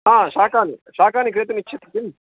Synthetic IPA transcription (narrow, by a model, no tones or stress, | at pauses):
ɦaːʃaːkaːnḭʃaːkaːnikɾeːt̪ɐnit͡ʃːt͡ʃʰɐt̪ɾɐt̪im